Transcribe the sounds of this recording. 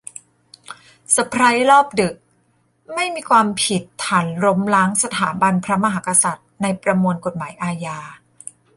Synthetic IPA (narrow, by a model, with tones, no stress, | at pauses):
sa˧pʰɾa˦˥jɾɔː˥˩p̚dɯ˨˩k̚ | ma˥˩jmiː˧kʰwaː˧mpʰi˨˩t̪ʰːaː˨˩˦nɾo˦˥mla˦˥ŋsa˧t̪ʰaː˩˦mba˧npʰɾa˦˥ma˧ɦaː˩˦˥ka˧sa˨˩t̪̚na˧jpɾa˧mu˧nko˨˩t̪̚maː˩˦jʔaː˧jaː˧